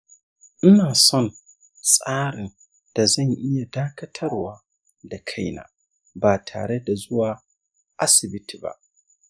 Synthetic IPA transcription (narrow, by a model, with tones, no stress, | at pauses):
ʔɪ˦naː˨sɔ˦n | sʼaː˦ɽɪ˨n | d̥a˨za˦˨ɲʔɪ˦ja˨daː˦kɐ˦tʰɐ˦ɾwaː˦ | da˨kʰa˦jna̰ː˨ | baː˨tʰa̰ː˨ɽe˦da˨zʊ˦waː˨ | ʔa˦sɪ˨bɪ˦tʰi˨ba̰˨ʔ